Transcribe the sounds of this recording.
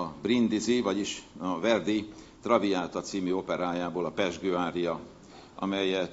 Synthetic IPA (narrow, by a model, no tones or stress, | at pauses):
ɒbrind̪izivɒɟiʃɒvɛrd̪i | t̪rɒviaːlt̪ɒt̪siːmyo̞pɛɾaːjaːboːlɒpɛʒɡøːaːɾijɒ | ɒ̰mɛjɛ